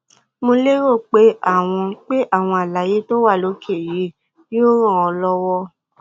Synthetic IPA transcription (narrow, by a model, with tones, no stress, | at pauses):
mo˧le˦ɾo˦˨k͡pe˨˦a˦˨w̃ɔ̃˧k͡pe˦ʔa˦˨w̃ɔ̃˧a˨la˨˦je˨˦to˦wa˦˨lo˨˦kʰe˦˨ji˨˦ | o˦ɾ̃ɔ̃˦˨ɔ̃˧lɔ˦wɔ˦